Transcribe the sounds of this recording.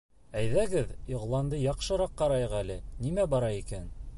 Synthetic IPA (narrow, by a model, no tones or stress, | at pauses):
æjðæɡɘðiʁlˠɑnd̪ɤjɑqʃɤ̆ɾɑqːɑɾɑjʁɤælɘnimæbɒɾɑikæn